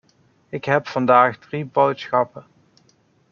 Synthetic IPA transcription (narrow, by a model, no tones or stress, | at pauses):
ɪkɦɛpfɑndaːχdribowtsχɑpə